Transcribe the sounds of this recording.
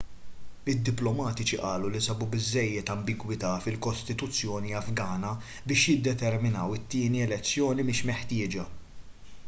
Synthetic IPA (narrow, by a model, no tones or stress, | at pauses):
ɪd̪ːɪplɔmɐːt̪ɪt͡ʃiʔɐːlulisɐbubɪzːɛjːɛt̪ɐmbɪɡwɪt̪ɐːfɪlkɔst̪ɪt̪ʊt͡sːjɔːniɐfɡɐːnɐ | bɪːʃjɪd̪ːɛt̪ɛɾmɪnɐwɪt̪ːɪːniɛlɛt͡sːjɔːnimɪːʃmɛħt̪ɪːd͡ʒɐ